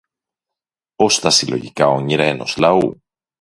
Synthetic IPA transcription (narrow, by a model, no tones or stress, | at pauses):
o̞st̪ɐsilo̞̰ʝikɐo̞ɲiɾɐeno̞̰slɐṵ